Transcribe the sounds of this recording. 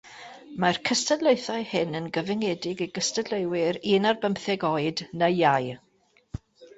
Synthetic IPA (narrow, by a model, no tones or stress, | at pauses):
markʰəstədleɨθaɨhɪnənɡəvɪŋɛdɪɡiɡ̥əstədlewɪɾinarbəmpθɛɡɔɨdnəjaj